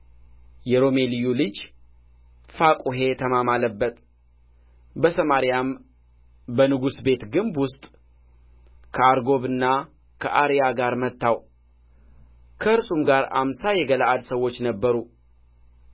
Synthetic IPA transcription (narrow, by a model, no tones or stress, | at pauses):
jɛɾo̞me̞lijulɨd͡ʒ | fakʼuɦe̞t̪ʰəmamaləbːət̪ʼ | bəsəmaɾijam | bənɨɡusbe̞t̪ɡɨmbwʊst̪ʼ | kʰəaɾɡo̞βɨnːa | kʰəʔaɾijaɡaɾmət̪ːaw | kʰəɨɾsumɡaɾa̰msajɛɡəlaʔad̪səwːo̞t͡ʃːnəbːəɾu